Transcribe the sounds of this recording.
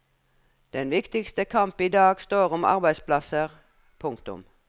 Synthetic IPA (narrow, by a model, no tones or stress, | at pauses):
d̪̥ɛnʋɪkt̪ɪkst̪əkʰɑmpiːd̪ɑːɡst̪oːʁɔmɑ̰ʁbæɪspʰlɑsəʁ | pʰʊŋkt̪ʊ̰m